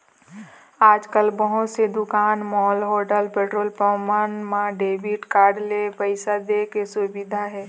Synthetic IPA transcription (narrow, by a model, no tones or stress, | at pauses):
aːd͡ʒkəlbəɦʊt̪sed̪ʊkaːnmɔːlɦoːɖəlpeːʈɾoːlpəmanmãɖeːbiʈkaːɖlepəɪsad̪ekesʊbɪd̪ʱaɦɛː